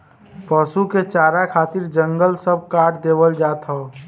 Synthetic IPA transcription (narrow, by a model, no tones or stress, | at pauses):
pəsuket͡ʃaːɾakʰaːt̪ɪɾd͡ʒə̃ŋɡəlsəb̚kaːʈʰd̪eːʋəld͡ʒaːt̪ɦaː